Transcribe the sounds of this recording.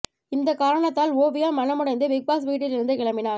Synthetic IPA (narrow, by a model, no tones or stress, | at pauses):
ɪnd̪ɐkaːɾɐɳɐt̪ːaːloːʋɪjaːmɐnɐmɯɽɐɪnd̪ɯʋɪk̚paːsʋiːʈ̬ːɪlɪɾɯnd̪ɯkɪɭɐmɪnaː